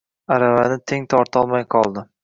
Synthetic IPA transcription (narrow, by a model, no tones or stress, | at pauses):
aɾavanɪt̪ʰeŋt̪ʰɒɾt̪ɒlˠmajqʰɒlˠd̪ɪ